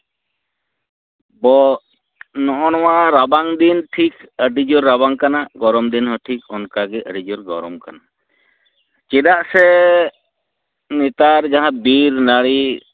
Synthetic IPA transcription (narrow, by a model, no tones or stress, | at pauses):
bɔ | nɔʔɔñɔwaɾabaŋd̪inʈʰikəɖid͡ʒɔɾːabaŋkanaɡɔɾɔmd̪inɦɔʈʰikɔnkaɡɛʔəɖid͡ʒɔɾɡɔɾɔmkana | t͡ʃɛdaʔsɛ | nit̪aɾd͡ʒaɦãbiɾnaɽi